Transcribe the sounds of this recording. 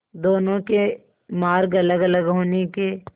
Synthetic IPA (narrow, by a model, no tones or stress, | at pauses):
d̪oːnõke | maːɾɡɐləɡɐləɡɦoːnekeː